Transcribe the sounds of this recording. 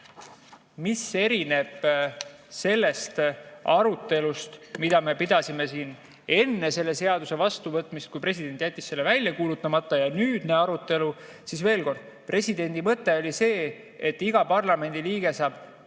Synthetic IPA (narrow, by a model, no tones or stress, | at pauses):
mise̞ɾine̞b̥ | se̞lːe̞st̪ɑɾut̪ːˑe̞lust̪mid̪̥ɑme̞pid̪̥ɑsime̞siːn | e̞nːe̞se̞lːe̞se̞ɑd̪use̞vɑst̪uvɤt̪ːˑmist̪̚kujpre̞sid̪̥e̞nt̪ʲːˑjæt̪ʲːisːe̞lːe̞vælʲjɑkuːlut̪ːˑɑmɑt̪ˑːɑjɑnyːd̪̥neɑɾut̪ːe̞lu | sisve̞ːlko̞rd̪̥̚ | prʔe̞sid̪e̞nʲd̪̥imɤt̪ːˑe̞o̞lʲise̞ː | et̪ːiɡ̥ɑpɑrlɑme̞nʲd̪̥iliːɡ̥e̞sɑːb̥